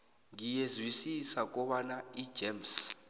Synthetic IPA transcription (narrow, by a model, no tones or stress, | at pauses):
ŋijezwisisak̬ʼɔɓanaid̥ʒ̥ems